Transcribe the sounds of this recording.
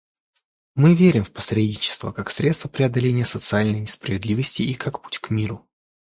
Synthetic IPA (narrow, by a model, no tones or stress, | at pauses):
mɨvʲeɾʲɪmfpɐ̥sɾʲedʲnʲɪt͡ɕɪ̥st̪və̰kaksɾʲe̞t̪st̪vəpɾʲɪɐd̪ɐlʲenʲɪjəsət̪sɨalʲnəjnʲɪspɾəvʲɪd̪lʲivəsʲtʲɪːkakpu̥tʲkmʲiɾʊ